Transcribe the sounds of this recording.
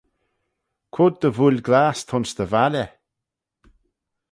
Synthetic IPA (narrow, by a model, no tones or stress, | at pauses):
kʰʊd̪̚d̪əvulʲɡlaːst̪ʰʊnsd̪əvalə